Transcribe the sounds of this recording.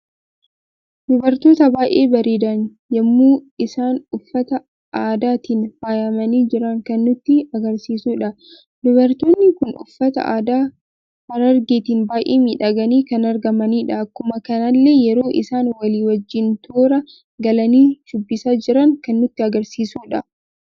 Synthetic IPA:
dʊbɐɾt̪oːt̪ɐbaːʔe̞ːbɐɾeːd̪ɐn | jɐmːuːɪsaːnʊfːɐt̪ɐ | ʔaːd̪aːt̪iːnfaːjɐmɐniːd͡ʒɪɾɐŋkɐnːʊt̪ːɪɐɡɐɾsiːsuːᶑɐ | d̪ʊbɐɾt̪o̞ːnːɪkʊnʊ̰fːɐt̪ɐ̰ʔaːd̪aː | hɐɾɐɾɡeːt̪iːnbaːʔeːmiːᶑɐɡɐniːkɐnɐɾɡɐmɐniːᶑɐːkːʊmɐkɐnɐlːe̞ːjɛɾo̞ːʔɪ̰saːnwɐliːwɐd͡ʒːɪnt̪ʰoːɾɐ | ɡɐlɐniːʃʊbːɪsaːd͡ʒɪɾɐŋkɐnːʊt̪ːɪɐɡɐɾsiːsuːᶑɐ

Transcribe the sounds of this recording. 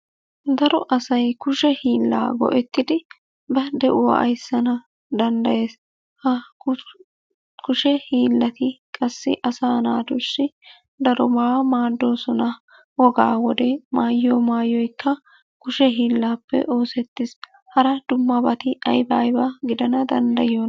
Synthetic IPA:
d̪ɐɾɔʔɐsɐjkʊʃɛhiːlːa̰ːɡɔ̰ʔɛt̪ːɪd̪ɪ | bɐd̪ɛʔʊwɐ̰ʔɐ̰jsːɐnɐ | d̪ɐnd̪ɐjeːs | hɐ | kʊʃɛhiːlːɐt̪ɪkʼɐsːɪ̰ʔɐsaːnaːd̪ʊʃːɪ | d̪ɐɾɔmaːmaːd̪ːo̞ːsɔnɐ | wɔɡa̰ːwɔd̪ɛmaːjːoːmaːjːɔjkːɐ | kʊʃɛɦiːlːaːpːɛ̰ʔoːsɛt̪ːɪs | hɐɾɐd̪̥ʊmːɐbɐt̪ɪɐjbaːjbɐɡɪd̪ɐnɐd̪ɐnd̪ɐjon

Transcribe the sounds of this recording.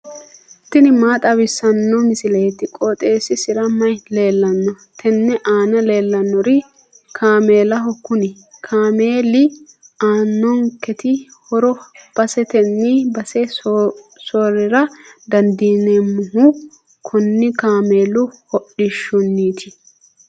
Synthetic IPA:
t̪ɪnɪmaːt̪ʼɐwɪsɐnːɔmɪsɪlɐjɛt̪ɪkʼɔt̪ʼeːsɪsɪɾɐmːɐjle̞ːlːɐnːɔ | t̪ʰɛnːɛʔaːnɐle̞ːlːɐnːɔɾɪ | kʰaːme̞ːlɐɦɔkːʊnɪ | kʰaːmeːlɪ | aːnːɔŋkɛt̪ɪhɔɾɔb̥ɐsɛt̪ɛnːibɐsɛ | sɔːɾɪɾɐd̪ɐnd̪iːnemːʊɦʊ | kʰʊnːɪkaːme̞ːlʊhɔɗɪʃːʊnːiːt̪ʰɪ

